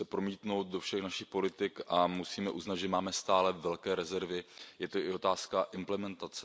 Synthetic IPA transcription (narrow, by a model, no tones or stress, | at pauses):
ɛpɾo̞miːt̪no̞wt̪̚do̞fʃɛxnaʃɪxpo̞lɪt̪ɪkʔamusiːmɛʔuznad̪ʒɛmaːmɛst̪aːlɛvɛlkɛːɾɛzɛɾvɪjɛt̪oɪo̞t̪aːskaʔɪmplɛmɛnt̪at͡sɛ